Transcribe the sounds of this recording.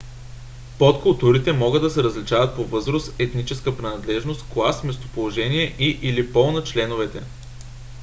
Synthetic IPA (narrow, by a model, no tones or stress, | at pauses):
pot̪kʊlˠt̪uɾit̪ɛmɔɡɤd̪ːɐsɛɾəzlit͡ʃavət̪̚povɤzɾosɛt̪nit͡ʃɛskəpɾinɐd̪lɛʒnost̪klˠasmɛst̪o̥polˠoʒɛniɛʔiʔilipɔlˠnɐt͡ʃlɛnʊvɛt̪ɛ